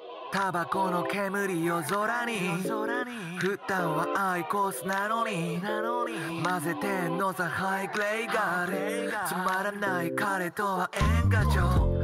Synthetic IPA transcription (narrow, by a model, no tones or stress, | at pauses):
t̪abakonokemɯɾijozoɾaɲiɾi | ɸɯt̪ːãŋ̃waʔaikosɨnanoɲi | mazet̪enozahaiɡleiɡaɾsɨmaɾanaikaɾet̪oaʔeŋɡat͡ɕo